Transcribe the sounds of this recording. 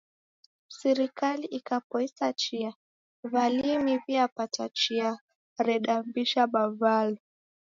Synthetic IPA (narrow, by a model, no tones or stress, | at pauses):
sɛɾikaliʔikapɔisat͡ʃia | valimiviapatat͡ʃia | ɾɛɗambiʃaɓavalɔ